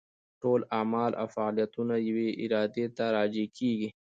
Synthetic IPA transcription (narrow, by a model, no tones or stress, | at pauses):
ʈolamɑlʔa̰wfaɑlijat̪unajaweʔɪɾɑd̪et̪aɾɑd͡ʒekʰeɡi